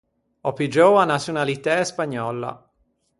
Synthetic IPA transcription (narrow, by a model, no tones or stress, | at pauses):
ɔpid͡ʒoanat̪sjunalit̪ɛspaɲːɔlːa̰